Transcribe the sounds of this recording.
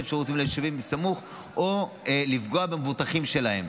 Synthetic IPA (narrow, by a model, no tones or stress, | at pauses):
efʃaʁut̪̬imleʃavimbisamuχ | ʔolifɡo̞abemevutaχimʃe̞lahe̞m